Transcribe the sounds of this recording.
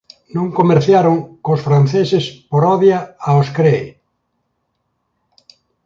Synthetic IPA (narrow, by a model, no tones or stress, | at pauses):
nõŋkomeɾθjaɾoŋkosfɾan̟θesespoɾɔðjaaoskɾej